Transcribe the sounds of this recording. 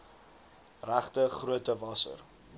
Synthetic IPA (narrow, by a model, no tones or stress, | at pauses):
ræχtəχruətəvɐsə̰r